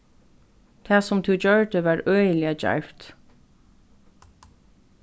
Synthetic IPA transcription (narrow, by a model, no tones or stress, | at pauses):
t̪ʰæːsʊmt̪ʰʉːd͡ʒœɹd̪əʋɑːɹœəlɪad͡ʒa̰ɹft̪